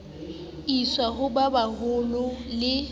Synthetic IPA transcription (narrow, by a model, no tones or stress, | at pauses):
iswaɦʊbabahʊlʊlɪ